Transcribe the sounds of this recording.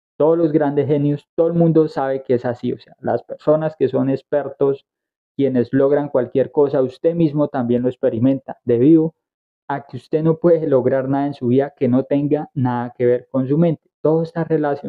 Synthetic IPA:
t̪o̞ðolo̞zɡɾand̪e̞ɦe̞njost̪oðolmũnd̪o̞saβe̞keesasio̞se̞ala̰spe̞ɾso̞naske̞so̞ne̞spe̞ɾt̪o̞s | kje̞ne̞zloɣɾaŋkwalkje̞ɾko̞saust̪e̞mizmo̞t̪ambje̞nlo̞ekspe̞ɾimẽ̞nt̪ad̪e̞βiðo | akeust̪e̞no̞pwe̞ðelo̞ɣɾaɾnaðae̞nsuβiðake̞no̞t̪e̞ŋɡanaðake̞βe̞ɾko̞ns̬umẽ̞nt̪e̥t̪oðoest̪are̞lasjo

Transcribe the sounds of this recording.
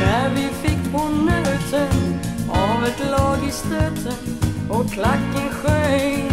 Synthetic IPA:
d̪æɾvɪfɪk̚ːpʰɔnœt̪ʰənɑvɛt̪lɑːɡɪst̪œt̪ʰəɔkʰːlakːənɧœ

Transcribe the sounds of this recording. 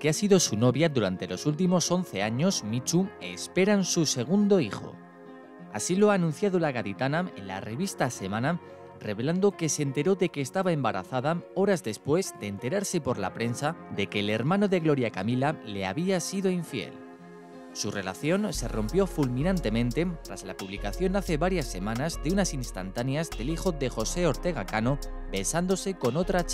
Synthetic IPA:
keasiðo̞suno̞βjaðuɾant̪e̞lo̞sult̪̬imo̞so̞n̟θe̞aɲo̞zmit͡ʃue̞̰spe̞ɾansuse̞ɣ̞und̪o̞ixo̞̰ | a̰silo̞aːnũn̟θjaðolaɣaðit̪anãme̞̰nla̰re̞βist̪ase̞manãm | reβe̞land̪o̞ke̞se̞ːnt̪e̞ɾo̞ðe̞ke̞ːst̪aβae̞mbaɾa̰θaðao̞ɾazðe̞spwe̞zd̪eːnt̪e̞ɾaɾse̞po̞ɾla̰pɾe̞nsad̪e̞ke̞ːle̞ɾmãno̞ðe̞ɣlo̞ɾjakamilale̞a̰βiasiðo̞iɱfje̞̰l | sure̞̰laθjo̞nse̞ro̞mpjo̞fulmĩnãnt̪e̞mẽ̞nt̪e̞t̪ɾazlapuβlikaθjo̞naθe̞βaɾjasːe̞mãnazðeunasinst̪a̰nt̪anjazðe̞lixo̞ðe̞xo̞se̞o̞ɾt̪e̞ɣ̞akano̞be̞sand̪o̞se̞ko̞no̞t̪ɾa

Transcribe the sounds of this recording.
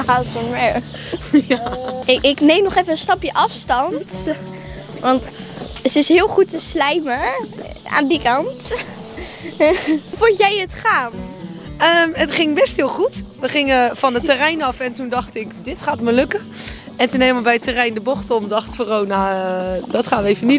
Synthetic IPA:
xaːətfɔnʋɛɹ | jaɪɪknejmnɔχɛfəənstɑpjəʔɑfstɑnt | ʋɑnt | əɪsɦɪːlˠχutəslɛjmə | a̰ːndikɑnt | fʊtjɛjətχaːm | əːmətχɪŋbɛstɦɪːlˠχutʋəχɪŋəfɑnətərɛjnɑfɛntundɑχtɪkdɪtχaːtməlɵkən | ɛntənejməbɛjətərɛjndəbɔχtɔmdɑχtfoːrɔlˠnadɑtχaːnʋəejvəni

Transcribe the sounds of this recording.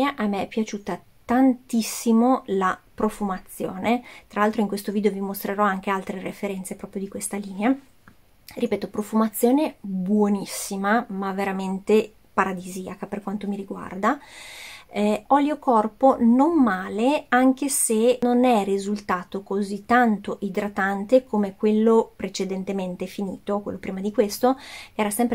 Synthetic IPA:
aʔamːeɛpːjat͡ʃuːt̪a | t̪ant̪isːimolapɾofumat̪sːjo̰ːnet̪ɾalalt̪ɾoiŋkwest̪oviːd̪eovimost̪ɾeɾɔaŋk̟ealt̪ɾerefeɾɛnt̪sepɾɔːpɾjod̪ikwest̪aliːnea | ripeːt̪opɾofumat̪sːjoːnebwonisːimamaveɾament̪e | paɾad̪iziakaperkwant̪omiɾiɡwa̰rd̪a | ɛɔliokɔrpononmaːleaŋk̟esenonɛrizult̪aːt̪okozit̪ːant̪oʔid̪ɾat̪ant̪ekʰomekwelːopɾet͡ʃed̪ent̪ement̪efinḭːt̪okwelːopɾiːmad̪ikwest̪okeɛːɾasɛmpɾ

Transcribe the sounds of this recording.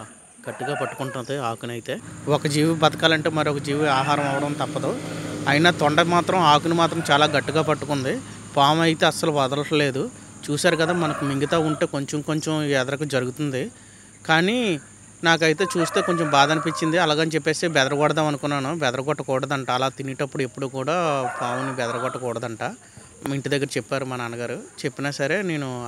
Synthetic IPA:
ɡ̥ɐʈːiɡaːpɐʈːu̥kuɳʈund̪iaːkunɐjit̪e̞ːwɔkɐd͡ʒiːʋibɐt̪ɐkaːlɐɳʈeːmɐɾiɔkɐd͡ʒiːʋiaːɦaːɾɐmɐʋɐɽɐmt̪ɐpːɐd̪oːɐjinaːt̪ɔɳɖɐmaːt̪ɾɐmaːkunimaːt̪ɾɐmt͡ʃaːlaːɡɐʈːiɡaːpɐʈːukund̪i | paːmɐjit̪e̞ːɐsːɐluʋɐd̪ɐlɐʈɐle̞ːd̪u | t͡ʃuːsaːɾukɐd̪aːmɐnɐkumiŋɡit̪aːuɳʈeːko̞ɲt͡ʃɐmko̞ɲt͡ʃɐmiɛd̪ɐɾɐk̬ud͡ʒɐɾuɡut̪und̪i | kaːni | naːk̬ɐjit̪e̞ːt͡ʃuːst̪e̞ːkoɲt͡ʃombaːd̪ɐnipit͡ʃːind̪iɐlaːɡɐnit͡ʃepːe̞ːst̪eːbɛd̪ɐɾɐɡɔɽɐd̪aːmɐnukunːaːnubɛd̪ɐɾɐɡɔʈːɐkɔːɽɐd̪ɐɳʈaːlaːt̪iniʈɐpːuɽue̞pːuɽuːkuːɽaːpaːmnibɛd̪ɐɾɐɡɔʈːɐkɔːɽɐd̪ɐɳʈaː | miɳʈid̪ɐɡːɐɾɐt͡ʃepːaːɾumaːnaːnɐɡaːɾut͡ʃe̞pːinaːsɐɾe̞ːne̞ːnu

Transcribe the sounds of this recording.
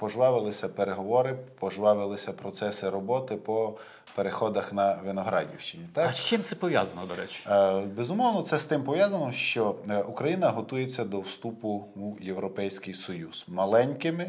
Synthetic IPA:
pɔʒʋɑʋɪlˠɪsʲɐpeɾeɦɔʋɔɾɪpɔʒʋɑʋɪlˠɪsʲɐpɾɔt̪sɛsɪɾɔbɔt̪ɪpɔ | peɾexɔd̪ɐxnɐʋɪnɔɦɾɑ̰dʲḭwʃt͡ʃɪnʲit̪ɑkʃt͡ʃɪmt̪sɛpɔʋʲja̰zɐnɔd̪ɔɾɛ̰t͡ʃbezʊmɔwnɔt̪sɛst̪ɪmpɔʋʲjazɐnɔʃt͡ʃɔukɾɐjinɐɦɔt̪ujet͡sʲːɐd̪ɔwst̪upʊujewɾɔpɛjsʲkɪjsɔjuz̥mɐlˠɛnʲkɪmɪ

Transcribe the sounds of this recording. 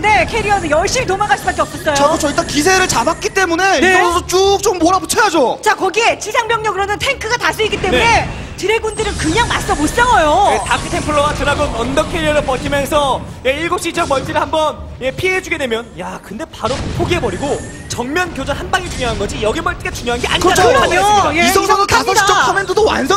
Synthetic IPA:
nde̞kʰeɾiʌnɯnjʌɭɕ͈imitomaɡaɭs͈ɯbak͈ep̚s͈ʌs͈ʌjt͡ɕoaot͡ɕʌit͈akisʰe̞ɾɯɭt͡ɕabak̚k͈it͈e̞mune̞niɡosʰʌt͡ɕ͈uk̚t͡ɕ͈omːʌɾaput͡ɕʰajad͡ʑot͡ɕakʌɡie̞t͡ɕisʰaŋmjʌŋɲʌɡɯɾʌnʌntʰe̞ŋkʰɯɡatasʰuiɡit͈e̞nune̞ | t͡ɕɯɾeɡundɯɾɯnkɯɲaŋmas͈ʌmos͈ʌɡʌjoetakʰɯtʰempʰɯɭːʌɡat͡ɕɯɾaɡonʌndʌkʰeɾiʌɾɯpʌkʰimjʌnsʰʌ | jeiɭɡok̚ɕ͈id͡ʑʌkmʌɭt͡ɕ͈iɾɯɭhambʌn | je̞pʰieɦed͡ʑuɡe̞dwe̞mjʌnjakɯnde̞paɾopʰoɡiebʌɾiɡo | t͡ɕʌŋmjʌnkjod͡ʑʌnhanbaŋit͡ɕuŋjoɦanɡʌd͡ʑijʌɡimʌɭt͈iket͡ɕuŋjoɦanɡea̰ɲikɯt͡ɕɡaɲoisʰʌŋsʰʌŋɯɭtʰaɲʰʌaid͡ʑʌkʰʌmentʰodowa̰nsʰʌ

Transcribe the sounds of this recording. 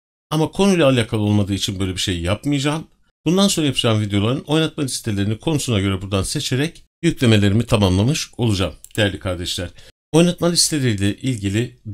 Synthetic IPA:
amakʰo̞nujlʲaalʲaːkʰalˠɯo̞lˠmad̪ɯːit͡ʃʰinbø̞jlʲebiʃe̞jjapmɯjad͡ʒaːm | b̥und̪ansoɾajapʰɯʃaːnvid̪ejo̞lˠaɾɯno̞jnat̪̚malʲist̪ʰelʲe̞ɾinikʰo̞nusunaɟø̞ɾɛbuɾd̪anse̞t͡ʃʰe̞ɾɛc | jycʲlʲe̞me̞lʲe̞ɾimit̪ʰamamlˠamɯʃo̞lˠud͡ʒamd̪̥ejæɾlʲikʰaɾd̪ɛʃlʲæɾ̥ | o̞jnat̪̚malʲist̪ʰelʲe̞ɾilʲɛʔilʲɟilʲi

